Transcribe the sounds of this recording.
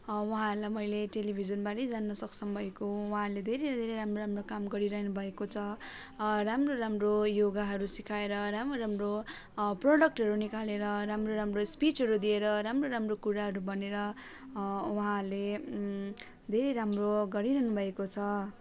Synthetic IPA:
wʌɦãɦʌlajmʌjleʈelibʱizʌnbaɾʌjd͡zanːʌsʌksʰʌmbʱʌekowuɦãʌrled̪ʱeɾeɾd̪ʱeɾeɾamroɾamrokamɡʌɾiɾʌɦnubʱʌekot͡sʰʌ | ramroɾamrojoɡaɦʌɾusikʰaeɾʌɾamroɾamro | proɽʌk̚ʈɦʌɾunikaleɾʌɾamroɾamrospit͡sɦʌɾud̪ieɾʌɾamroɾamrokuɾaɦʌɾubʌneɾʌ | wuɦãʌrle | d̪ʱeɾeɾamroɡʌɾiɾʌɦnubʱʌekot͡sʰʌ

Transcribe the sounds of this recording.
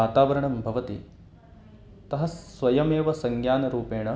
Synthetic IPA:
aːt̪aːʋɐɾɐɳɐmbʱɐʋɐt̪ḭ | t̪ɐɦɐsʋɐjɐmeːʋɐsɐŋɡjaːnɐɾuːpeːɳɐ

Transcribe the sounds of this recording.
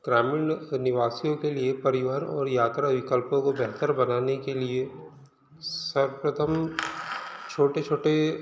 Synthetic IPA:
ɡ̥ɾaːmɪɳnɪʋaːsijõkeliepɐɾɪʋaːənɔːɾjaːt̪ɾaʋɪkəlpõkobɛɦt̪əɾbɐnaːnekelie | sɐɾpɾət̪ʰəm | t͡ʃʰoːʈet͡ʃʰoːʈe

